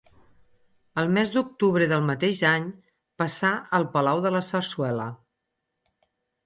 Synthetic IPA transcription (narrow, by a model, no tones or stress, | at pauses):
əlˠmɛzd̪uk̚t̪uβ̞ɾəðəlˠmət̪eʒaɲ | pəsaəlˠpəlawðələsərswɛlə